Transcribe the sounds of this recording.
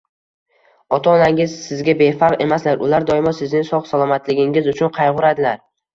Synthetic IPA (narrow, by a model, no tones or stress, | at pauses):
ɒt̪ʰɒːnaŋɪz̥sɪzɡʲabe̞fɑqe̞maslaɾʊlaɾd̪ɒjɪmɒsɪznɪŋsɒqsalˠɒmat̪ʰlɪɡʲɪŋɪzʊt͡ʃʰʊnqʰɑjʁʊɾad̪ɪlaɾ